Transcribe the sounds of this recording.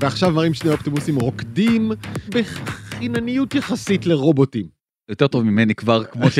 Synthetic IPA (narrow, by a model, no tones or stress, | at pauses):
veaχʃavmaʁimʃneoptimusimʁo̞kdimbeχinanijutjaχasitle̞ʁo̞botim | jote̞ʁt̪o̞vmimenikvaʁkmoʃ